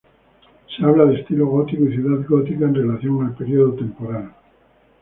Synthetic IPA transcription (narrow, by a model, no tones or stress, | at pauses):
seaβlaðest̪ilo̞ɣot̪ikoiθjuðaðɡot̪ikaenre̞laθjo̞ŋaelpeɾioðot̪e̞mpo̞ɾal